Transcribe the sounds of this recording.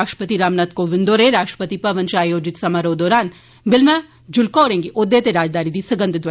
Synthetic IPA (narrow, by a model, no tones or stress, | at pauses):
aʃʈɾəpət̪iɾaːmnat̪koʋɪ̃nd̪oːɾeɾaːʃʈɾə̥pət̪ipɐʋɐ̃nt͡ʃaːjoːd͡ʒɪt̪sɐmaɾoːd̪ɔːɾaːn | bɪlmã | d͡ʒʊlkoːɽẽːŋɡiʔod̪ːet̪eɾaːd͡ʒd̪aːnid̪isɐɡə̃nd̪ɪd̪ʋ